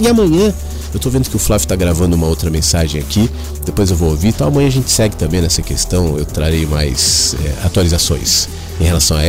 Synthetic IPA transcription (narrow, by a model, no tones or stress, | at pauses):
ɪamɐ̃ɲɐ̃ | ewt̪ovẽnd̪ʊkɪʊflavit̪aɡɾavɐ̃nd̪ʊũmɐowt̪ɾɐmẽsaʒẽj̃akʰi | d̪epojzewvoowvit̪ɐ̃w̃ɐmɐ̃jɐ̃aʒẽnt͡ʃɪ̥sɛɡɪt̪ɐ̃mbẽj̃nɛsɐkest̪ɐ̃w̃ḛwt̪ɾaɾejmajsɛ̰a̰t̪ualizasõ̰j̃s | ẽhelasɐ̃w̃a̰